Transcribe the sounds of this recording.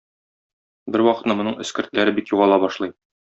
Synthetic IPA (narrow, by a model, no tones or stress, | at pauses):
bɘɾwɒqɤ̥̆t̪nɤmŏnɤɴɘ̆skɘ̆ɾt̪læɾɘbikjuʁɑlˠɑbɒʃlˠɤj